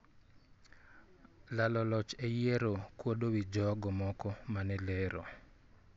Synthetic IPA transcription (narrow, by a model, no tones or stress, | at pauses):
lalɔlɔt͡ʃejeɾokwodowid͡ʒɔɡɔmɔkɔmanɛleɾo̰